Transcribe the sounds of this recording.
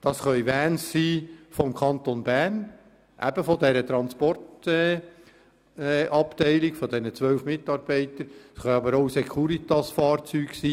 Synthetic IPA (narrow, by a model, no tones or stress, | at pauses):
d̥ɑsχœʏvæːnssiːfɔmkʰɑnt̪onbærn | ʔæ̰b̥əfɔd̪ɛɾət̪ɾɑnspɔrtɛ | ʔɑptɛɪliɡ̥fɔd̪ɛnət͡sʋœwfmɪt̪ɑɾb̥ɛɪt̪əɾsχœɑbəɾoʊsɛkʰuɾit̪ɑsfɑːɾt͡syːɡsiː